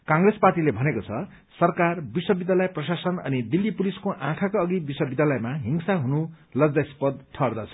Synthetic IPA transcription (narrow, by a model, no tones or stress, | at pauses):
kaŋɡresparʈilebʱʌnekot͡sʰʌ | sʌrkarbiswʌbid̪ʱjalʌjprʌsasʌnʌnid̪ilːipuliskoʔãkʰakoʌɡibiswʌbid̪jalʌjmaɦiŋsaɦunu | lʌɡd͡zajspʌd̪̚ʈʰʌrd̪ʌt͡sʰʌ̥